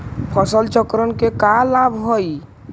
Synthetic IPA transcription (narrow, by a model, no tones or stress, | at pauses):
pʰɔsəlt͡ʃəkɾənkekalabʱɦoj